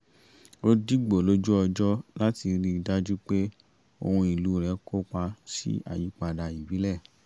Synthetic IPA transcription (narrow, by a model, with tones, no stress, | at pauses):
ɾo˦di˦ɡ͡bo˨lo˦d͡ʒu˦ɔ˧d͡ʒɔ˦la˦ti˧ɾi˦i˧da˦d͡ʒu˦k͡pe˦ | o̰˧hũ˧i˨lu˨˦˨ɾɛ˨˦kʰo˦k͡pa˧sḭ˦a̰˨ji˨˦k͡pa˧da˧i˨bi˨˦lɛ˦˨